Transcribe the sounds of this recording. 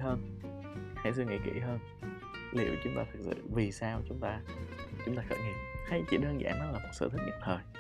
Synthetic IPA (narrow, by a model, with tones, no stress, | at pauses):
həː˧n | ha˧˩js̬ɨ˧ŋḭ˧˩kḭ˧˥ɦəː˧n | lḭ˧˨əwt͡ɕʊ˨˦ŋ͡mt̪aː˧t̪ʰɨ˨˩k̚sɨ̰˧˨vi˨˩saː˧wt͡ɕʊ˨˦ŋ͡mt̪aː˧t͡ɕʊ˨˦ŋ͡mt̪aː˧kə̰˧˩ŋḭ˧˩mxa˨˦t͡ɕḭ˧˩ɗəː˧nza̰ː˧˩nɔ˨˦laː˨˩ma˨˩sɨ̰˧t̪ʰt̚ɲɨ̰˨˧˨ŋ͡mt̪ʰəː˨˩j